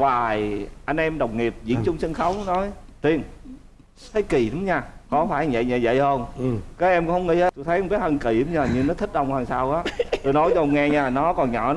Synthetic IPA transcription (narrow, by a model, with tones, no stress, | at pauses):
waː˨˩jʔa˧jŋ̟ʔɛ˧mɗə˨˩wŋ͡mŋi˨˩əp̚zḭ˧˥əŋt͡ɕʊ˧wŋ͡msə˧nxə˨˦wŋ͡mnɔ˨˦jt̪i˧˩ən | t̪ʰə˨˦jki˨˩ɗʊ˨˦ŋ͡mɲaː˧˩kɔ˨˦faː˧˩jvə̰˧˨jvə̰˧˨zə̰˧˨jhə˧ŋ͡mkaː˨˦˥jʔɛ˧mkʊ̰˧˦ŋ͡mhə˨˦wŋ͡mŋḭ˧he˦˥t̪o˧jt̪ʰə˨˦jŋ͡mɓt̚hə˧nki˧˩a˨˦mɲaː˧˩ɲɨ˧nɔ˨˦t̪ʰi˦˥k̟̚ɗə˧wŋ͡mwaː˧ŋsaː˧wʔaː˨˦t̪o˧jnɔ˨˦jt͡ɕɔ˧ŋ͡mŋɛ˧ɲaː˧˩nɔ˨˦kɔ˨˩nɲɔ̰˧˩n˦